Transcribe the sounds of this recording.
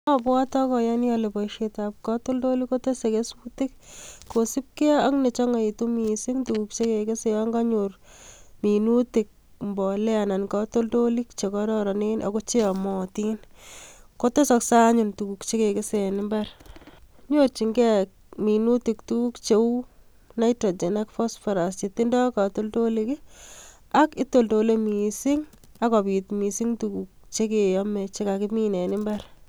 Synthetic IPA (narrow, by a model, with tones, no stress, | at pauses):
ɔ˦bwa˦tɔ˦kɔ˨ja˦njale˨pɔ˨ʃe˨ta˨p̚kɔ˦to˦ldo˦li˦ko˦te˦se˨ke˦su˦ti˦kkːosi˦p̚ke˦a˦kne˨t͡ʃɔ˦ŋa˨i˨tu˦mi˨si˦ŋtuku˨k̚t͡ʃe˦ke˨ke˦se˨jɔ˦ŋɡa˦ɲor | mi˨nuti˨k̚ | mbɔ˨lɛ˦ana˨nkɔ˦to˦ldo˦li˦k̚t͡ʃe˨kɔ˦ɾɔɾɔ˨nenʔɔ̰˨ko˦t͡ʃe˦a˨mɔ˨ti˦n | ko˦to˦sɔ˧ksa˦ɲuntu˨ku˨kt͡ʃe˦ke˨kɪ˦sɛ˨nɪ˦mba˦ɾ | ɲot͡ʃi˨ŋɡɛ˦k | mi˨nu˦ti˨ktuku˦kt͡ʃe˦u˦ | na˦jtɾo˨d͡ʒe˨na˦kfɔ˦sfɔ˨ɾa˨st͡ʃe˨ti˦ndɔ˦ka˨to˦lto˦likɪ˦ | a˦kɪ˦to˨lto˨le˦mi˨sɪ˦ŋ | a˦kɔ˨pi˨tmi˨si˦ŋtuku˨k̚ | t͡ʃe˦ke˨jɔ˦me˨t͡ʃe˦ka˨kɪ˦mi˦ne˨nɪ˦mba˦ɾ